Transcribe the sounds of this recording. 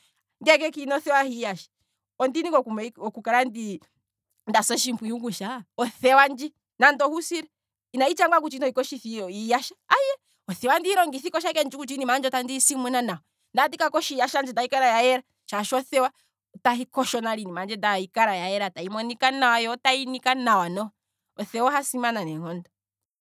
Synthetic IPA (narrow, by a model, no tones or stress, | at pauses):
ŋɡɛk̬ɛkinɔθɛwahijaʃḁ | ɔndinikɔkumɔkukaɾandi | ndasɔʃimpujuɡuʃaɔθɛwand͡ʒi | nandɔhusiɾɛ | inait͡ʃaŋɡwak̬ut͡ʃinɔikɔʃiθiɔijaʃaaiɛ | ɔθɛwandihiɾɔŋɡiθikɔʃakɛnd͡ʒikut͡ʃinimand͡ʒɔtandisimwɛnanaɔ | ndadikakɔʃijaʃand͡ʒɛdaikaɾajaɛɾa | t͡ʃaʃɔθɛwa | taɦikɔʃɔnaɾinimand͡ʒɛdaikaɾajajɛɾataimɔnikanawajɔtainikanawanɔ | ɔθɛwaɦasimananɛŋɔnda